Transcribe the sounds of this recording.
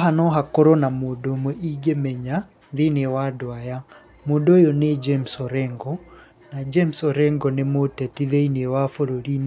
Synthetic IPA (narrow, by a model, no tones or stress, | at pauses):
ɦanɔɦakoɾɔnamoːndomwɛiɡemɛɲa | ðenewadoaja | moːndoːjɔned͡ʒemsɔɾɛŋɡɔ | nad͡ʒemsɔɾɛŋɡɔnemotɛtiðeinewafoɾoɾin